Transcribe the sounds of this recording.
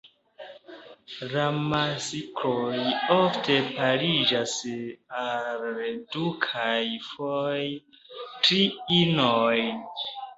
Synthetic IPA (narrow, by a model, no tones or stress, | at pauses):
ɾamasikʰɾojoftʰe̞paɾid͡ʒasaldukʰajfoj | tɾiinoj